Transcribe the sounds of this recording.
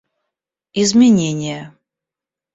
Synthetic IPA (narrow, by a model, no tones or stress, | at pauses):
izmʲɪnʲenʲɪjə